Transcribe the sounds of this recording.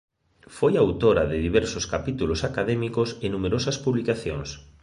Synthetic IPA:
fojaːwt̪oɾɐðɪðiβɛɾsʊskapit̪ulosakaðɛmikosɪnumeɾosɐspuβlikaθjoŋs

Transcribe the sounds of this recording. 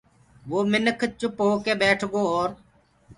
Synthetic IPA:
ʋoːmɪnəkʰt͡ʃʊpɦoːkeːbeːʈʰɡoːɔːɾ

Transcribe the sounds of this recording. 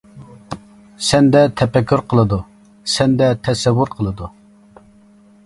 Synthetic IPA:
sɛnd̪ɛt̪ʰɛpɛkʲʰːyɾqʰəlˠɨd̪u | sɛnd̪ɛt̪ʰɛsɛwːʊɾqʰəlˠɨd̪u

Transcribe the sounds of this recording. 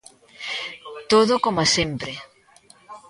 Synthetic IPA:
t̪oðokomasempɾe

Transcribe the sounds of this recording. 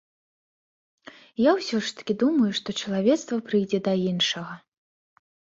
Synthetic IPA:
jawsʲɔʂt̪ɐ̥kʲid̪umɐjuʂt̪ɔt͡ʂɐlˠavʲɛt̪st̪vɐpɾɨjd͡zʲɛd̪ɐinʂɐɣɐ

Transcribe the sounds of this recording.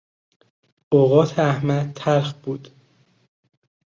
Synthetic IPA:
ʔoɣɒːt̪ʰeæhmæd̪̚t̪ʰæɾxbuːd̪̥

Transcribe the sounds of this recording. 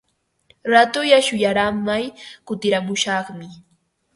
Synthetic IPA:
ɾat̪ʊjaʃʊjaɾamːajkʊt̪ɪɾamʊʃɑχmɪ

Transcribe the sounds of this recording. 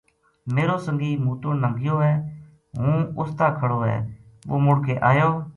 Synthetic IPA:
meːɾoːsəŋɡiːmuːt̪ʊɽnəŋɡɪjoːɦɛː | ɦũːʊst̪aːkʰəɽoːɦɛ̰ː | ɓoːmʊɽkeːʔaːjoː

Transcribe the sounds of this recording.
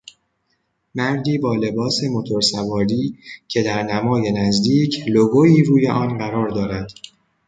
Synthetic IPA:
mæɾd̪iːbɒːle̞bɒːse̞mo̞t̪ʰo̞ɾsævɒːɾiːcʰe̞d̪æɾnæmɒːje̞næzd̪iːcʰloɡoiːɾuːje̞ʔɒːnɢæɾɒːɾd̪ɒːɾæd̪̥

